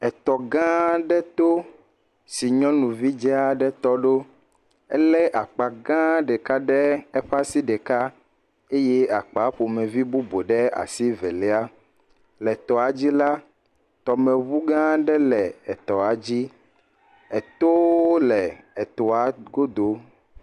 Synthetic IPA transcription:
ɛ˨t̪ɔ˨ɡã˦ɖɛ˦t̪o˦ | si˨ɲɔ̃˦nũ˨vi˦d͡ʒɛ˦a˦ɖɛ˦t̪ɔ˦ɖo˦ | ɛ̰˦lɛ˦ʔa˨k͡pa˨ɡã˦ɖɛ˨ka˦ɖɛ˦ɛ˦ɸa˦si˦ɖɛ˨ka˦ | e˦je˦a˨k͡pa˨˦ɸo˨mɛ̃˨vi˦bu˦bo˨ɖɛ˦a̰˨si˦vɛ˨lɛ˦a˦ | lɛ˨t̪ɔ˨a˨d͡ʑi˦la˦ | t̪ɔ˨mɛ̃˨βu˦ɡã˦ɖɛ˦lɛ˨ɛ˨t̪ɔ˨a˨d͡ʑi˦ | ɛ˨t̪o˦o˦lɛ˨ɛ˨t̪ɔ˨a˨ɡo˦d̪o˨˦

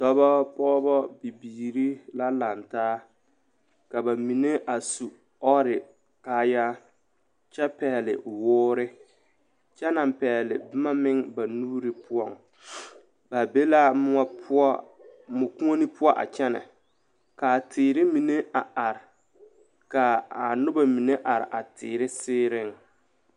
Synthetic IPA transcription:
dɔ˦bɔ˦pɔː˦bɔ˦bi˨biː˨ɾi˦la˦la˨ntaː˦ | ka˨ba˨mi˨ne˦ʔa˨su˨ | ɔ˦ɾɪ˨ | kaː˦ja˦ | t͡ʃɛ˦pɛ˨lɪ̰˨wʊː˦ɾɪ˦ | t͡ʃɛ˦na˨m˨pɛ˨lɪ˨bɪ˦ma˦mɪ˦ŋba˨nuː˦ɾɪ˨pʊ˦ɔ˦˨ŋ | ba˨be˦la˦mʊ˦pɔ˦ | mʊ˨kũ˦ŋo˦ni˦pʰʊ˦ɔ˦ʔa̰˨t͡ʃɛ˦na̰˨ | ka˨tʰɪː˨ɾɪ˦mi˨ne˦a˨a˨ɾɪ˨ | ka˨a˨nʊ˦ba˨mi˨ne˦ʔa˨ɾɪ̰˨ʔa˨tɪː˨ɾɪ˦sɪː˦ɾɪ˦˨ŋ

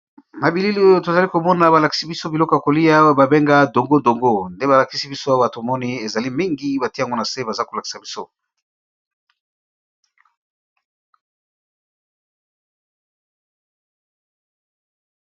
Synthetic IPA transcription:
na˨bi˨li˦li˦o˦jo˦to˨za˨li˦ko˨mɔ˦na˨ba˨la˨ki̥˦si˦bi˦so˦bi˨lɔ˦ko˨ja˨ko˨li˦a˦ba˨be˦ŋɡa˦do˨ŋɡo˦ndo˨ŋɡo˦nde˦βa˨la˨ki˦si˦bi˦so˦a˦wa˦to˨mɔ˦ni˦e˨za˨li˦mi˦ŋɡi˦ba˨ti˦a˨ŋɡo˦na˨se˦ba˨za˦ko˨la˨ki̥˨sa˨bi˦so˦

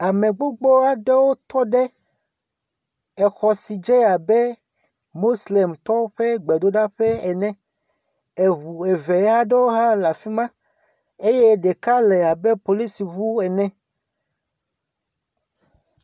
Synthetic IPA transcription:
a˨mẽ˨ɡ͡bo˦ɡ͡bo˦a˨ɖe˦wo˦t̪ɔ˦ɖɛ˦ | ɛ˨xɔ˨si˨d͡ʒe˦a˨bɛ˦ | mo˦sle˨mt̪ɔ˦ɸɛ˦ɡ͡bɛ˨d̪o˦ɖa˦ɸɛ˦ɛ˨nɛ̃˦ | e˨βu˨e˨ve˨˦ɦa˦ɖe˦wo˦ɦa˦la˨fi˦mã˦ | e˦je˦ɖe˨ka˦lɛ˨a˨be˦po˨li˦si˨vu˦ɛ˨nɛ̃˦

